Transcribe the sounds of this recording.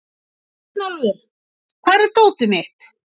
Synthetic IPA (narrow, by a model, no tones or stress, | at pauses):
nalvɪɾ | kʰvaːɾɛɾ̥t̪oːwt̪ʏmɪht̪